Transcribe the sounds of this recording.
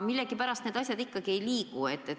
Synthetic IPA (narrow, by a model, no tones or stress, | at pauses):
milːe̞ɡ̥ipæɾɑst̪ned̪̥ɑsʲjɑd̪ikːɑɡ̥ie̞jliːɡ̥ue̞t̪ːe